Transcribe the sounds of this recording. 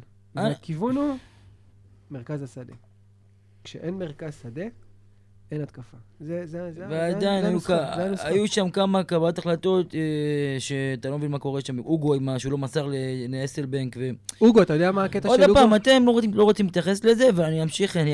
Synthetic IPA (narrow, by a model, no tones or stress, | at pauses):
aakivunu | meʁkazasad̪ḛ | kʃeʔenmeʁkazsad̪e | enat̪kafazezezvead̪ajnajukanuajuʃamkamakabalot̪aχlat̪o̞t̪eʃeat̪alo̞mevinmako̞ʁeʃamʔuɡo̞imaʃulo̞masaʁleleeselbeŋkveuɡoat̪ajodeamaket̪aod̪apaːmat̪e̞mlo̞ʁilo̞ʁot͡simlet̪jaχe̞sle̞zeveaniamʃiχn